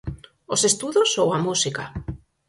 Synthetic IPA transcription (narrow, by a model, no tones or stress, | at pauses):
osest̪uðosowamusika